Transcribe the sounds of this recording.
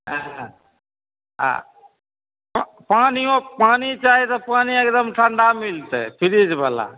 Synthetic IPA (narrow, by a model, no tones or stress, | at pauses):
ɦa | ɦ | paniõpanit͡ʃaɦit̪ɔpaniekd̪əmʈʰəɳɖamilt̪ɛ̰pʰiɾid͡ʒbəla̰